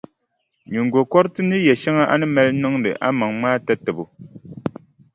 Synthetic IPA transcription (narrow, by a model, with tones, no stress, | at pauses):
ɲu˨ŋ˨ɡwo˨kɔ˦ɾtɨ˦nɨ˦jɛ˨ʃɛ˦ŋa˦ʔa̰˦nɨ˦mɛ˦lnɔ˦ŋdɨ̰˨ʔa̰˦mɔ˨ŋmaː˦tɛ˦tɛ˨bu˨